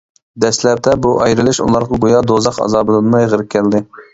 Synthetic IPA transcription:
d̪ɛslɛp̚d̪ɛbuʔɑjɾɨlˠɪʃṵlˠɑɾʁɑbojɑd̪ozɑqɑ̰zɑːbɨlˠɨnmɑjʁəɾɪp̚ʲkʲʰɛld̪ɪ

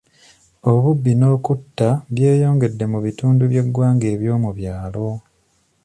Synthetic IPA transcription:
o̞βubːino̞ːkutːaβje̞ːjo̞ːŋɡe̞dːe̞muβituːnduβje̞ɡwaːŋɡe̞ːβjo̞ːmuβjaːlo̞

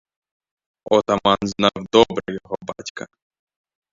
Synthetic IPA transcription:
ɔt̪amanznɑwd̪ɔbɾɛjɔɦɔbatʲkɐ

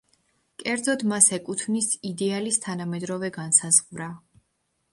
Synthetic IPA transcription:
kʼɛɾd̪zɔd̪masɛkʼut̪ʰnisid̪ɛalist̪ʰanamɛd̪ɾɔvɛɡansazʁvɾa

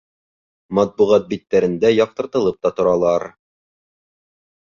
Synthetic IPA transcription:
mɑt̪̚buʁɑt̪̚bit̪ːæɾɘ̆nd̪æjɒq̚t̪ɤ̆ɾt̪ɤ̆lˠɤp̚t̪ɑt̪ŏɾɑlˠɑɾ

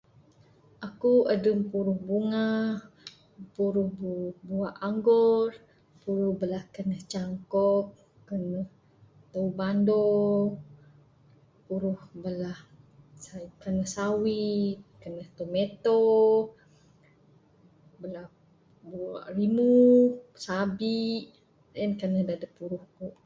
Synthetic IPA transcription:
ʔakuədəmpuɾuhbuŋah | puɾuhbbuaʔaŋɡɔr | puɾuhbəlahkənəht͡ʃaŋkɔk̚ | kənəh | t̪əubando | puɾuhbəlah | kənəhsawikənəht̪omet̪o | bəlah | bua̰ʔrimusabiʔ | ənkənəhdadəpuɾuhkuʔ

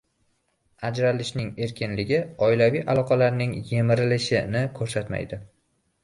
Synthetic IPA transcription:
ad͡ʒɾalɪʃnɪŋe̞ɾkʲʰɪnlɪɡʲɪɒɪlavijʔalˠɒqʰɑlaɾnɪŋje̞mɪɾɪlɪʃɪnɪkʰɵɾsat̪ma̰jd̪ɪ

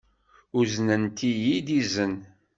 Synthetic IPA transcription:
uznənt̪ijid̪izən

